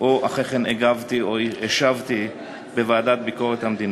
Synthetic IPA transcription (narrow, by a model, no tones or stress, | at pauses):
ʔoʔaχeχeneɡavt̪ioeʃavt̪i | bevaːd̪at̪̚biko̞ʁet̪hamd̪in